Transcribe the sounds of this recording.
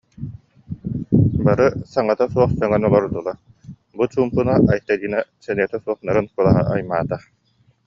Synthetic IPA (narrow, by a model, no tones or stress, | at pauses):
baɾɯsaŋat̪asuɔχsœŋɛnɔlˠɔɾd̪ulˠa | but͡ɕuːmpɯnaʔajt̪ad̪iːnasɛniɛt̪ɛsuɔχnaɾɯnkɯlˠaɦa̰ʔajmaːt̪a